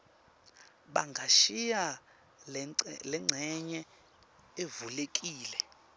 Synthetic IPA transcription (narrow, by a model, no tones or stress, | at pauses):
ɓaŋɡʱaʃija | lɛŋ͡ǀʱɛɲɛ | evulekʼiːlɛ